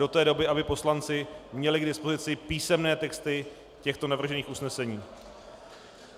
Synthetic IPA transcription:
o̞t̪ɛːdo̞bɪʔabɪpo̞slant͡sɪmɲɛlɪɡdɪspo̞zɪt͡sɪpiːsɛmnɛːt̪ɛkst̪ɪ | cɛxt̪o̞navr̩ʒɛniːxusnɛsɛɲiː

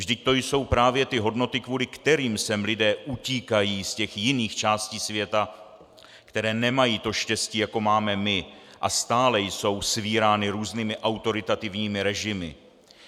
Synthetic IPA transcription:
vʒdɪct̪o̞jso̞wpɾaːvjɛt̪ɪɦo̞dno̞t̪ɪkvuːlɪkt̪ɛɾiːmsɛmlɪdɛːʔuciːkajiːscɛxjɪniːxt͡ʃaːsciːsvjɛt̪a | kt̪ɛɾɛːnɛmajiːt̪o̞ʃcɛsciːjako̞maːmɛmɪ | ʔast̪aːlɛjso̞wsviːɾaːnɪɾuːzniːmɪʔawt̪o̞ɾɪt̪at̪ɪvɲiːmɪɾɛʒɪmɪ̰

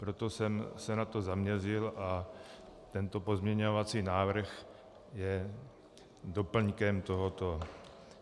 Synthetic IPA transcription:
pɾot̪o̞sɛmsɛnat̪o̞zamɲɛzɪlʔa | t̪ɛnt̪o̞po̞zmɲɛɲovat͡siːnaːvr̩x | jɛ | do̞pl̩ɲkɛmt̪o̞ɦot̪o

